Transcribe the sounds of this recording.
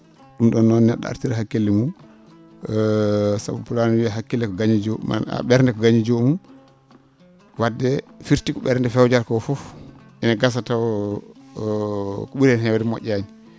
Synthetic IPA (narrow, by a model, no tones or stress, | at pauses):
ɗumɗɔnːɔnːɛɗːɔ̰a̰ɾtiɾɦakːelːɛmu | sa̰bapulanwiaɦakːilːɛkɔɡaɲid͡ʒɔma̰a̰ɓɛɾndɛkɔɡaɲid͡ʒomum | wadːɛfiɾtikɔɓɛɾndɛfɛwd͡ʒaɾkɔfɔfʔɛnaɡas̬ataw | kɔɓuɾɛnhɛwadɛmɔ̰ʔʲːaɲi